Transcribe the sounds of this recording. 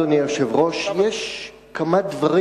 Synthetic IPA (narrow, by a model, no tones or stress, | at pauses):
anioʃevʁo̞ʃjeʃ | kamad̪vaʁi